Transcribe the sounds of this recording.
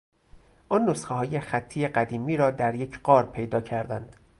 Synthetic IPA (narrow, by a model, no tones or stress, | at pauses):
ʔɒːnːosxeɦɒːjexæt̪ʰːiːjeɢæd̪iːmiːɾɒːd̪æɾje̞cʰɢɒːɾpʰe̞jd̪ɒːcʰæɾd̪ænd̪̥